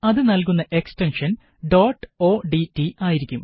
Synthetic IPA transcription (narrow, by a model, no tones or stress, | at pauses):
ɐðɨnɐlk̬unːɐʔe̞ksʈenʂɐn | ɖoːʈːo̞ːɖiʈːiaːjiɾikʲːum